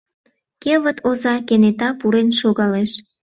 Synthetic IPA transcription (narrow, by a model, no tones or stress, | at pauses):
keβət̪ʰozɑkenet̪ɑpuɾenʃoɣɑleʃ